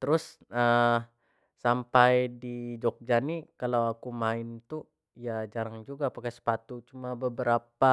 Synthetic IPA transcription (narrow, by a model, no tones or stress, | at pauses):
t̪əɾʊs | ə | sampajdid͡ʒɔk̚d͡ʒanikalawakumaɪnt̪u | ijad͡ʒaɾaŋd͡ʒuɡapakasə̥pat̪ut͡ʃumabəbəɾapa